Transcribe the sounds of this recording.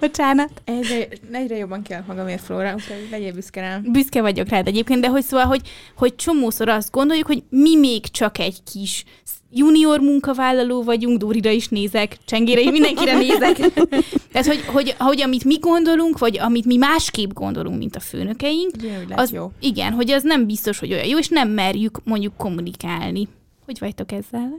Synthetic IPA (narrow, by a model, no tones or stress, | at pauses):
b̥ot͡ʃaːnɒt̪ɛɟɾɛɛɟrɛjobːɒŋkɛlːɛkmɒɡɒmeːrfloːɾɒlɛɟeːbyskɛɾɛbyskɛvɒɟo̞kraːd̪ɛɟeːp̚keːnd̪d̪ɛɦo̞csoːvɒlɦo̞ɟho̞c̚t͡ʃo̞moːso̞ɾɒst̪̚ɡo̞nd̪o̞ljukho̞ɟmimeːɡt͡ʃɒkɛɟkʰiʃ | juːnio̞rmuŋkɒvaːlːɒloːvɒɟuŋɡd̪uːɾiɾɒiʃneːzɛkt͡ʃɛŋɡeːɾɛimind̪ɛŋkiɾɛneːzɛkt̪aːt̪ho̞ɟɦo̞ɟo̞ɟɒmit̪miɡo̞nd̪o̞luŋkvɒɟɒmit̪mimaːʃkeːbɡo̞̰nd̪o̞lṵŋkmḭnt̪ɒfø̰ːnø̞kɛjiŋkɒziɡɛ̰nɦo̞ɟɛznɛmbist̪o̞ʃho̞ɟo̞jɒ̰joːeːʃnɛmːɛrjykmo̞ɲɟukːo̞mːunikaːlni | ho̞ɟvɒct̪o̞kɛzːɛl